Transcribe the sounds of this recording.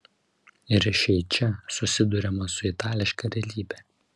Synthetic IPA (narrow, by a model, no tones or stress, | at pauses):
ɪɾʃʲɛɪt͡ʃʲɛsʊsʲɪd̪ʊɾʲɛmɐsʊɪt̪ɑːlʲɪʃkɐɾʲɛlʲiːbʲɛː